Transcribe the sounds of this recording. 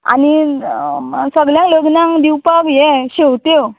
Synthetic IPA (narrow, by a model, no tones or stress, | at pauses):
a̰ni | səɡljãŋləɡnãŋd̪iwpakjɛɕewt̪o